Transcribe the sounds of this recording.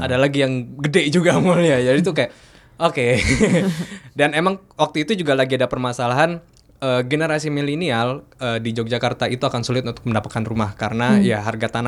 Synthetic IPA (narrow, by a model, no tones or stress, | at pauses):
ʔadalaɡijaŋɡədɛd͡ʒuɡamulijad͡ʒadit̪ukajaʔ | ʔoke | danemaŋ | wak̚t̪uit̪ud͡ʒuɡalaɡiadapərmasalaɦan | ʔəːɡenəɾasimilinialəːdid͡ʒok̚d͡ʒakart̪ait̪uakansulɪt̪unt̪ʊ̥k̚məndapat̪̚kanrumahkaɾənajaɦarɡat̪ana